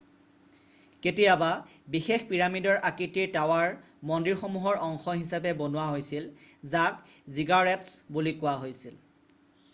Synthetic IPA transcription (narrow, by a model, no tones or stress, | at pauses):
ketijababixexpiɹamidɔɹʔakitiɹtawaɹ | mɔndiɹxomuɦɔɹʔɔŋxɔɦisapɛbonʊwaɦojsilzakziɡaɹɛtsbulikʊwaɦojsil